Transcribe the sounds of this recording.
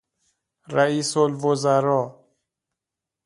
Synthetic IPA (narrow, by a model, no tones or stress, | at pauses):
ɾæiːsolvozæɾɔː